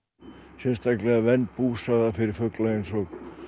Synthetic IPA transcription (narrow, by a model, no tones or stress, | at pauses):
sɛnst̪θaklɛɣavɛnːpuːsaðafɪɾɪɾfœklaensɔɣ